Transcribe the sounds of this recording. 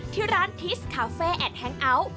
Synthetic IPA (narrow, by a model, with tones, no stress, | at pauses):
t̪ʰiː˦˥˩ɾaː˦˥nt̪ʰi˦˥skʰaː˨˦˥feː˥˩ʔɛː˨˩t̪̚hɛ˧˥ŋʔa˧˥w